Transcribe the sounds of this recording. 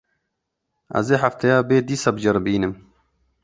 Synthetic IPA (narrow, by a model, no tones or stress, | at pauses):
ɐ̰zeħɐft̪ʰɐjaːbed̪isɐbd͡ʑɐɾbiːnem